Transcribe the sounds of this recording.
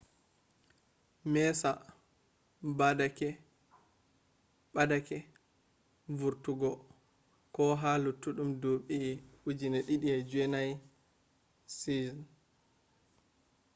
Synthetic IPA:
mɛsa | badakɛ | ɓadakɛ | vuɾtuɡɔ | kɔɦalutːuɗumdoɓiud͡ʒinɛɗiɗiɛd͡ʒuɛnaj | sizɔn

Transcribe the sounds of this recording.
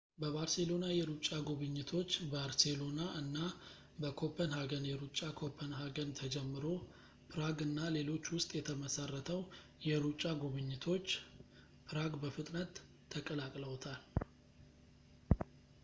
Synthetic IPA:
bəβaɾse̞lo̞najɛɾut͡ʃʼːaɡoβɨɲːɪt̪ʰo̞t͡ʃːbaɾselo̞naʔɨnːa | bəkʰopʰənhaɡənjɛɾut͡ʃʼːakʰo̞pʰənɦaɡənt̪ʰəd͡ʒɛmːɨɾo̞ | pʰɨɾaɡɨnːale̞lo̞t͡ʃːwʊst̪ʼjɛt̪ʰəməsarːət̪ʰəw | jɛɾut͡ʃʼaɡuβɨɲːɪt̪ʰo̞t͡ʃː | pɾaɡbəfɨt̪ʼnət̪ʰː | əkʼəlakʼləwt̪ʰal

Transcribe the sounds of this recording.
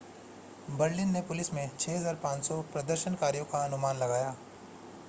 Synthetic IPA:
bɐɾlɪnːepʊlɪsmẽt͡ʃʰɛːɦɐzaːɾpãːt͡ʃsɔpɾɐd̪əɾʃənkaːɾijõkaɐnʊmaːnlɐɡaːjaː

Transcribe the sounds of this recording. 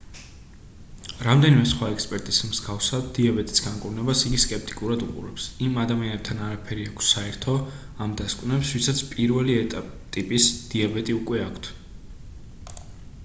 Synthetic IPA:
ɾamd̪ɛnimɛsχwaɛkspʼɛɾt̪ʼismz̥ɡafsad̪d̪iabɛt̪ʼi̥sɡaŋkʼuɾnɛbasiɡiskʼɛp̚ʰt̪ʼi̥kʼuɾad̪uqʼṵɾɛpsimad̪amianɛb̚t̪ʰanaɾapʰɛɾiakʷʰsːaɛɾt̪ʰɔ | amd̪askʼwnɛpsvwisat̪sʰpʼiɾvɛliɛt̪ʼapʼt̪ʼipʼisd̪̥iabɛt̪ʼiukʼwɛakʰt̪ʰ

